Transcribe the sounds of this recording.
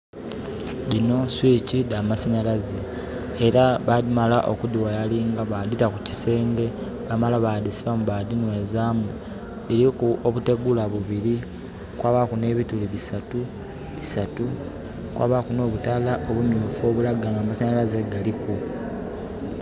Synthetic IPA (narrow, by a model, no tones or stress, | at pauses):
lino̞swiːcidamasaɲalaze | eɾaβaðimalaʔo̰kudiwajaliːŋɡaβaditakuci̥se̞ːŋɡe̞ | βamalaβadisiβamuβadinwe̞ːzaːmu | lilikuoβute̞ɡulaβuβiɾi | kwaːβakune̞ːβituliβisatu | βisatu | kwa̰ːβakuno̞ːβutalaʔo̞βumjuːfo̞ːβulaɡaŋɡamasaɲalazeɡaliku